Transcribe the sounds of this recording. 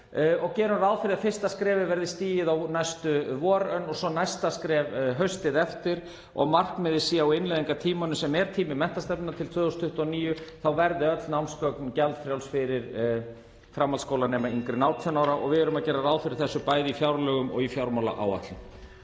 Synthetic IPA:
ɔɣcɛːɾʏmɾaðfɪɾɪðafɪr̥st̪askɾɛːvɪvɛɾðɪst̪iːjɪðawnajst̪ʏvɔːɾœnːɔɣsɔnajst̪askɾɛːvɦœɥst̪ɪðɛft̪ɪɾ̥ | ɔ̰ɣmar̥knmɛðɪsiːjaawɪnlajðiŋkat̪ʰiːmanʏsɛmɛɾ̥t̪ʰiːmɪmɛn̥t̪ast̪ɛp̪ɪnat̪ʰɪlt̪ʰvœːðhust̪ʰʏht̪ɔniːjʏθawvɛɾðɪœt̪lnawnskœkncɛlt̪fɾjawlsfɪɾɪɾ | fɾamːalskowlanɛːmaiŋkɾɪnawt̪ʰɛnawɾaʔɔ̰ɣvɪɛɾʏmaðcɛːɾaɾaðfɪɾɪɾ̥θɛsːʏpaːjðɪifjawɾlœːɣʏmɔ̰ɣifjawɾmawla̰ʔa̰wa̰t̪lʏm

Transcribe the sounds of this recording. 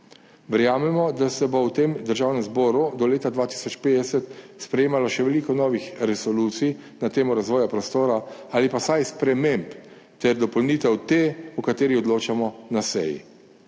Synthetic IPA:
ʋɛɾjaːmɛmɔd̪asɛbɔwt̪eːmd̪əɾʒaːwnɛmzbɔːɾud̪ɔleːt̪ad̪ʋaːt̪i̥sɔt͡ʃpeːd̪ɛsɛt̪spɾɛjeːmalɔʃɛʋɛliːkɔnɔːʋixɾɛsɔluːt̪sij | nat̪eːmɔɾazʋɔːjapɾɔst̪oːɾaaːlipasajspɾɛmemp | t̪ɛɾd̪ɔpɔlniːt̪ɛwt̪eukat̪eːɾiɔd̪loːt͡ʃamɔnasɛ̰jḭ

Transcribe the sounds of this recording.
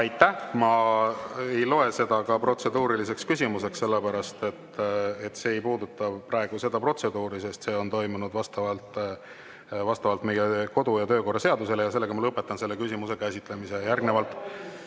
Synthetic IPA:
ɑjt̪ːˑæhmɑ | e̞jlo̞e̞se̞d̪̥ɑkɑpro̞t̪se̞d̪uːɾilise̞kskysʲimuse̞ksse̞lːepæɾɑst̪e̞t̪ːet̪ːse̞ːjpuːd̪ut̪ːˑɑprɑeɡ̥use̞d̪̥ɑpro̞t̪se̞d̪uːɾise̞st̪se̞ːo̞nt̪o̞jmunud̪vɑst̪ɑvɑlt̪ | vɑst̪ɑvɑlt̪me̞jeko̞d̪ujɑt̪øːko̞rːɑse̞ɑd̪use̞lejɑse̞lːe̞ɡɑmɑlɤpːˑe̞t̪ːˑɑnse̞lːe̞kysʲimuse̞kæsʲit̪ˑle̞misejærɡnevɑlt̪ːˑ

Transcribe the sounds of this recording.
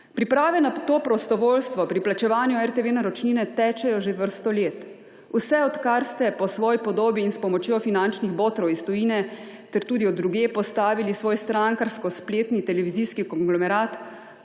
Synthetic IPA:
pɾipɾaːʋɛnat̪oːpɾɔst̪ɔʋoːlst̪ʋɔpɾiplat͡ʃɛʋaːnjuɛɾt̪eʋeːnaɾɔt͡ʃniːnɛt̪ɛːt͡ʃɛjɔʒeʋəɾst̪ɔleːt̪ | usɛɔt̪kaɾst̪ɛpɔsʋɔːjipɔd̪oːbjiːnspɔmɔt͡ʃjofinant͡ʃniɣboːt̪ɾɔwist̪ɔjiːnɛ | t̪ɛɾt̪uːd̪iɔd̪ːɾuɡeːpɔst̪aːʋilisʋoːjst̪ɾaŋkaɾskɔspleːt̪nit̪ɛlɛʋiziskikɔŋɡlɔmɛɾaːt̪

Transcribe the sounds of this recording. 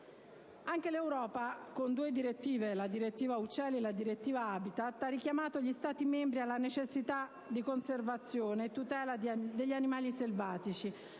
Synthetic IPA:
aŋk̟elewɾɔːpakond̪uːed̪iɾet̪ːiːvelad̪iɾet̪ːiːvaut͡ʃːɛːlielad̪iɾet̪ːiːvaaːbit̪at̪ːarːik̟jamaːt̪oʎist̪aːt̪imembɾialːanet͡ʃesːit̪a | d̪ikonservat̪sːjoːneːt̪ːut̪ɛːlad̪eʎːanimaːliselvaːt̪it͡ʃi

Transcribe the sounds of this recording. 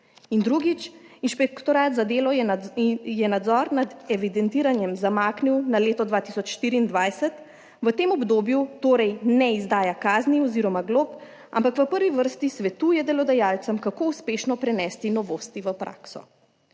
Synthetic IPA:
ind̪ɾuɡit͡ʃinʃpɛkt̪ɔɾaːt̪zad̪eːlɔ | jɛnad̪zɔːɾnad̪ɛʋid̪ɛnt̪iːɾanjɛmzamaːkniwnaleːt̪ɔd̪ʋaːt̪isɔt͡ʃʃt̪iɾiːnd̪ʋajsɛt̪ | ʋət̪eːmɔbd̪oːbjut̪oːɾɛjnɛizd̪aːjakaːzniɔziːɾɔmaɡlop | a̰mpakʋəpəɾʋiʋəɾst̪isʋɛt̪uːjɛd̪ɛlɔd̪ɛjaːlt̪səmkakouspeːʃnɔpɾɛnɛːst̪inɔʋoːst̪iʋəpɾa̰ːksɔ̰

